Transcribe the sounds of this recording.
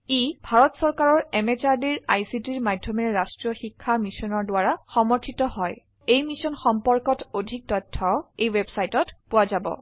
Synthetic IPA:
ibʱaɹɔtsɔɹkaɹɔɹɛmet͡ʃaɹdiɹa̰jsitiɹmadʱjɔmɛɹastɹɔxikʰːamisɔnɔɹdʊaɹaxɔmɔɹtʰitɔɦɔj | ejmisɔnxɔmpɔɹkɔtodʱik̚tɔtʰːɔejwebsajtɔtpʊwazabɔ̰

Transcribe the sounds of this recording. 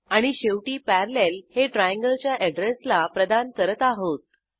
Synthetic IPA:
aɽ̃iɕeʋʈiːpæɾlelheʈɾajãŋɡəlt͡ɕjaʔɛɖɾeslapɾəd̪ankəɾət̪aɦot̪̚

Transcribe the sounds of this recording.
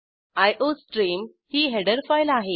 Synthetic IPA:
ajʔosʈɾiːm | hiːɦeɽəɾfajlaɦe

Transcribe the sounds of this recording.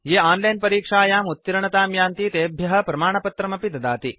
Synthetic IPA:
jeːaːnlɐjnpɐɾiːkʂaːjaːmut̪ːiɾɐɳɐt̪aːmjaːnt̪it̪eːbʱjɐɦɐ̆pɾɐmaːɳɐpɐt̪ɾɐmɐpid̪ɐd̪aːt̪i

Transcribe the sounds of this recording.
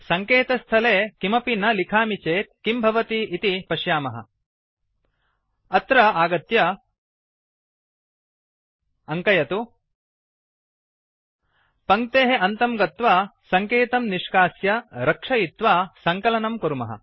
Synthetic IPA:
sɐŋkeːt̪ɐst̪ʰɐleːkimɐpinːɐlikʰaːmit͡ʃeːt̪̚kimbʱɐʋɐt̪iit̪ipɐʃjaːmɐɦɐ̰ | ɐt̪ɾɐaːɡɐt̪jɐ | ɐŋkɐjɐt̪u | pɐŋk̚t̪eːɦeʔɐnt̪ɐmɡɐt̪ʋaːsɐŋkeːt̪ɐmniʂkaːsjɐɾɐkʂɐjit̪ʋaːsɐŋkɐlɐnɐmkuɾumɐ̰ɦɐ̰

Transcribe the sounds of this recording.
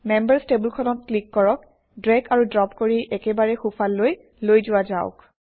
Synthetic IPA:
mɛmbəɹstebulkʰɔnɔt̚klikːɔɹɔk̚ | dɹɛɡʰaɹudɹɔpkoɹiʔɛkɛbaɹɛxupʰalːoj | lojzʊwazaʊk

